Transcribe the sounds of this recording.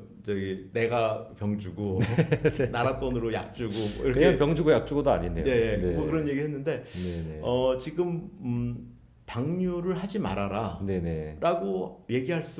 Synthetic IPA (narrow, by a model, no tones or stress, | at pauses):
t͡ɕʌɡine̞ɡapjʌŋd͡ʑuɡo | naɾat͈wʌnɯɾoja̰k̚t͡ɕ͈uɡo̰iɾʌkʰepjʌŋd͡ʑuɡojak̚t͡ɕ͈uɡodoa̰ɲinːeoe̞eeokɯɾʌnje̞ɡiɭɦe̞nːɯnde̞neeʌt͡ɕiɡɯm | paŋɲuɾɯɭɦad͡ʑima̰ɾaɾane̞ne̞ɾaɡoje̞ɡiɦaɭs͈u